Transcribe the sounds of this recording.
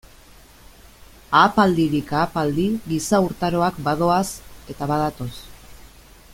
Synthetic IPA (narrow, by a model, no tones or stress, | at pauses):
aːpald̪iɾikaːpald̪iɣisauɾt̪aɾo̞akbað̞o̞ase̞t̪aβað̞at̪o̞s